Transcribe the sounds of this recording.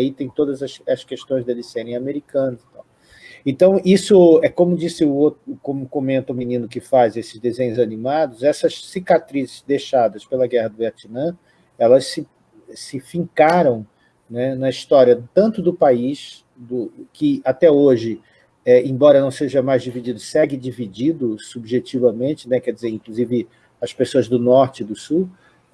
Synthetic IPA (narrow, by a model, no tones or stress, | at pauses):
ait̪ẽj̃t̪od̪ɐzɐʃɐskeʃt̪õj̃zd̪elɪseɾẽj̃ameɾikɐ̃nʊzi̥t̪aw | ẽt̪ɐ̃w̃isʊɛkõmʊd͡ʒisɪʊot̪ɾʊkõmʊkõmẽnt̪ɐuminĩnʊkɪfazesɪ̥zd̪ezẽɲʊzanĩmad̪ʊzɛsɐsːikat̪ɾizɪzd̪ejʃad̪ɐspelɐɡɛhɐd̪ʊat͡ʃ̪inɐ̃ | ɛlɐssɪ | ɛsɪfĩŋkaɾɐ̃w̃ | nɛnɐist̪ɔɾiɐt̪ɐ̃nt̪ʊd̪ʊpaiʃ | d̪ʊkɪat̪ɛoʒɪ | ɛẽj̃bɔɾɐnɐ̃w̃seʒɐmajzd͡ʒivid͡ʒid̪ʊsɛɡɪd͡ʒivid͡ʒid̪ʊsubʒet͡ʃivɐmẽnt͡ʃɪnɛkɛɾd͡ʒizeɾĩkluzivɪ | ɐspesoɐzd̪ʊnɔɾt͡ʃɪd̪ʊsu